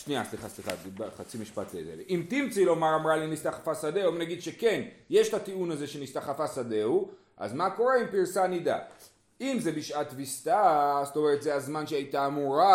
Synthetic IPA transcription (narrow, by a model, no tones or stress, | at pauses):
ʃniasliχasliχa̰baχat͡simiʃpa̰t̪lḛzḛlʔimt̪imt͡silo̞maʁamʁalinist̪aχafasad̪eomnaɡid̪ʃeke̞nje̞ʃtat̪iunaze̞ʃenist̪aχafasad̪e̞u | ʔa̰zmako̞ʁe̞impiʁsanid̪a̰ | imze̞biʃat̪vist̪azt̪o̞me̞ʁet̪zeazmanʃeajt̪aːmuʁa